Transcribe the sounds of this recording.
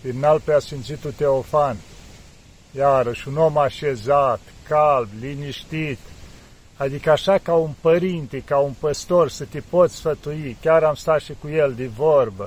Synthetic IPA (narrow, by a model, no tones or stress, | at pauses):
finalpɾeasimt̪sit̪ut̪eofan | jaɾəʃuno̞maʃezat̪ | kalbliniʃt̪it̪ | ad̪ikəaʃakaunpəɾint̪ikaunpəst̪o̞rsət̪ipot̪sʲsfət̪uikʲaɾamst̪aʃikuje̞ld̪ivorbə